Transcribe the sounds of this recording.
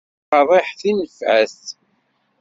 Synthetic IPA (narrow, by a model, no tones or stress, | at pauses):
qɑðˤɪħθinəfʕæs